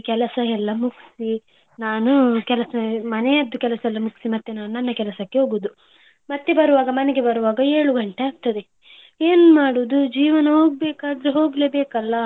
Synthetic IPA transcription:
kɛlɐsɐɛlːɐmuksi | naːnukɛlɐsɐmɐnejɐd̪ːukɛlɐsɐɛlːɐmuksimɐt̪ːenaːnunɐnːɐkɛlɐsɐkːe̞ɦoːɡoːd̪u | mɐt̪ːe̞bɐɾuʋaːɡɐmɐneɡe̞bɐɾuʋaːɡɐe̞ːɭuɡɐɳʈeaːɡ̚t̪ɐd̪e̞ | eːnumaːɽuːd̪ud͡ʒiːʋɐnɐɦo̞ːɡ̚beːkaːd̪ɾeɦo̞ːɡleːbeːkɐlːɐ

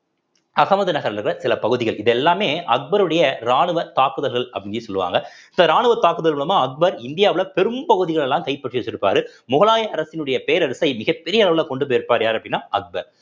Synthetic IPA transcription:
ɐɣɐmɐðɯnɐɣɐɾɐlkɾɐsɪlɐpɐɣɯðɪɣɐɭʔɪðɛlːaːmeːɐk̚bɐɾɯɽɐjɐɾaːɳɯʋɐt̪aːkɯðɐlɣɐɭɐpːɐɽɪɡɯsɔlːɯʋa̰ːŋɡɐɪnd̪ɐɾaːɳɯʋɐt̪ːaːkɯðɐlɣɐɭɐmaːɐk̚bɐɾɪnd̪ɪjaːʋɯlɐpɛɾɯmpɐɣɯðɪɣɐɭɛlːãːmkɐɪpːɐʈːrɪʋɐt͡ʃːɪɾɯpːa̰ːɾɯmʊɣɐlaːjɐɐɾɐsɪnɯɽɐjɐpeːɾɐɾɯsɐɪmɪɣɐpːɛɾɪjɐɭɐʋɯlaːkɔɳɖɯpojɐɾpːaːɾjaːɾɐpːɐɽɪnːaːɐk̚bɐɾ

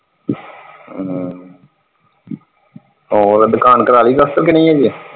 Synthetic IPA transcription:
oːɾd̪ʊkaːnkəɾaːliːk̪əsk̪əɾkenə̃ĩːaːd͡ʒi

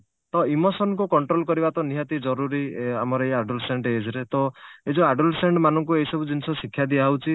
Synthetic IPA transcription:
t̪ɔimosɔnkukɔɳʈɾolkɔɾibat̪ɔniɦat̪id͡ʒɔɾuɾiamɔɾɔeaɖulseɳɖeed͡ʒɔɾet̪ɔed͡ʒoaɖulseɳɖmanɔŋkuejisɔbud͡ʒinisɔsikʰːjad̪iaɦwt͡ʃʰi

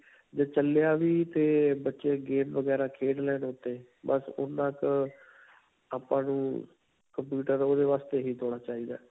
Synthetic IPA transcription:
d͡ʒeːt͡ʃəljaːʋiːt̪eːbətːʃeːɡeːmʋəɡɛːɾaːkʰeːɖlɛːnʊt̪ːeː | bəsʊ̰nãːk | aːpãːnṵ̃ː | kəmpjuːʈəɾoːd̪eːʋaːst̪eːɦiːt̪ʰoːɽaːt͡ʃaːiːd̪a̰ː

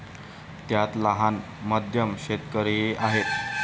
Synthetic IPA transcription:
t̪jat̪laɦan | məd̪ʱjəmɕet̪kəɾeaɦet̪

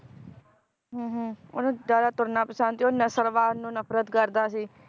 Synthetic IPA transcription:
ɦːɦonũːd̪aːd̪aːt̪ʊɾnaːpəsãnt̪ionəsəɾʋaːnũːnəpɾət̪kəɾd̪aːsiː

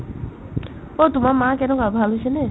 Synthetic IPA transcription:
ot̪umamãkɛnɔ̃kabʱalɦojsene

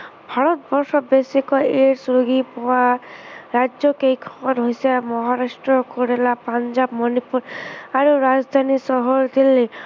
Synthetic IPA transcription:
bʱaɾɔt̪̚bɔɾsɔbesikɔeɾsuɾuɡipɔwaɾad͡ʒɔkejkʰɔkɔt̪ɦojsamɔɦaɾasʈɹɔkoɾelapand͡ʒabmɔnipuɾaɾuɾad͡zd̪ʱanisɔɦɔɾd̪ilːe

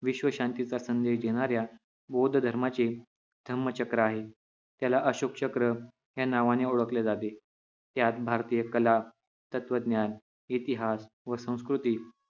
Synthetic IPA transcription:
ʋiɕʋəɕant̪it͡sasənd̪eɕd̪eɽ̃aɾja | bod̪ʱd̪ʱəɾmat͡ɕe | d̪ʱəmːət͡ɕəkɾəaɦe | t̪jalaʔəɕok̚t͡ɕəkɾə | ɦjanaʋaneoɭəkled͡zat̪e | t̪jat̪̚bʱaɾt̪iːjəkəla | t̪ət̪ʋəd̪njan | it̪iɦas | ʋəsə̃w̃skɾut̪iː

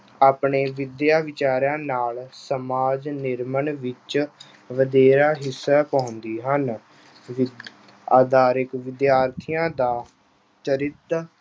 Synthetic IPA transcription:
aːpɳeːʋɪd̪jaːʋɪt͡ʃaːɾãːnaːlsəmaːd͡ʒnɪɾməɳʋɪt͡ʃ | ʋəd̪eːɾaːɦɪsːaːpɔ̃ːnd̪iːɦən | ʋ | aːd̪aːɾɪkʋɪd̪jaːɾt̪ʰijãːd̪aː | t͡ʃəɾɪt̪

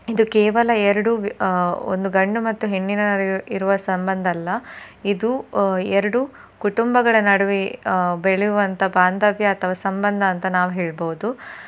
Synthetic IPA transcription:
id̪ukɛːʋɐlɐɛɾɐɽu | o̰nd̪uɡɐɳɖumɐt̪ːuɦenːinɐiɾuʋɐsɐmbɐnd̪ʱɐlːɐid̪uɛɾɐɽu | kuʈumbɐɡɐɭɐnɐɽɐʋibeɭɛjuʋɐnt̪ʰɐbaːnd̪ɐʋjɐːt̪ʰɐʋaːsɐmbɐnd̪ʱɐːnt̪ɐnaːʋuɦeːɭboɦud̪u

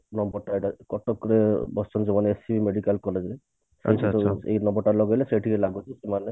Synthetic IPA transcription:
nɔmbɔɾʈaeʈakɔʈɔkɾebɔst͡ʃʰɔnd͡ʒemaneesibimeɽikalkɔled͡ʒɾe | sesʰḛjnɔmbɔɾʈːalɔɡɔjleseʈʰikelaɡut͡ʃʰisemane

